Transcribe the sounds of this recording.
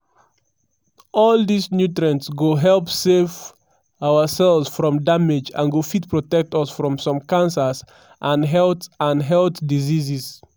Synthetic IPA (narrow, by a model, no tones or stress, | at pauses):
ʔɔldisnjutɹə̃ntsɡoɦɛlpsev | awəsɛlˠvsfɹɔ̃mdamed͡ʒã̰nɡofit̚pɹɔtɛk̚tɔsfɹɔ̃msɔ̃mkãnsəs | ʔãnɦɛltãnɦɛltdizizis